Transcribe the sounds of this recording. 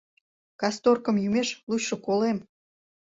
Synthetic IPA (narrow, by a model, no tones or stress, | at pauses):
kɑst̪orkə̆mjymeʃluɕʃŏkolem